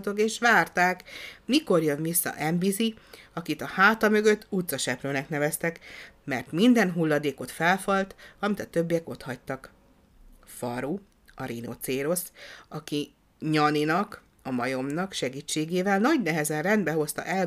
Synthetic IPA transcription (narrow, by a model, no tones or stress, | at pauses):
t̪o̞keːʃʋaːrt̪aːkmiko̞rjønvisːɒ̰ʔɛmbizi | ɒkit̪ɒhaːt̪ɒmø̞ɡø̞t̪ːut̪sɒʃɛpløːnɛknɛvɛst̪ɛkmɛrt̪mind̪ɛnɦulːɒd̪eːko̞t̪fɛlfɒlt̪ɒmit̪ɒt̪ø̞bːijɛko̞t̪hɒct̪ɒk | fɒɾu | ɒɾino̰t̪seːɾosɒki | ɲɒninɒk | ɒmɒjo̞mnɒkʃɛɡiːt͡ʃːeːɡeːvɛlnɒɟnɛɦɛzɛnrɛnd̪bɛɦo̞st̪ɒ̰ʔɛl